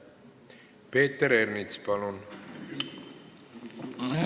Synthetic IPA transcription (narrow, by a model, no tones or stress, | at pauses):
peːt̪ːeɾernit̪spɑlun